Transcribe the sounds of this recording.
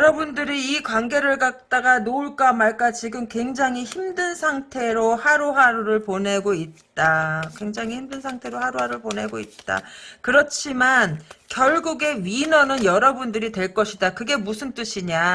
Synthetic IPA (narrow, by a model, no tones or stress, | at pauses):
jjʌɾʌbundɯɾiːkwanɡe̞ɾɯɭkak̚t͈aɡanouɭk͈amaɭk͈at͡ɕiɡɯmkwe̞ŋd͡ʑaŋiçimdɯnsʰaŋtʰe̞ɾohaɾoɦaɾuɾɯɭpone̞ɡoit̚t͈akwe̞ŋd͡ʑaŋɦiçimdɯnsʰaŋtʰe̞ɾohaɾuɦaɾɯɭpone̞ɡoit̚t͈a̰kɯɾʌt͡ɕʰimankjʌɭɡuɡe̞ɥinʌnɯnjʌɾʌbundɯɾitwe̞ɭk͈ʌɕʰidakɯɡe̞musʰɯnt͈ɯɕʰiɲa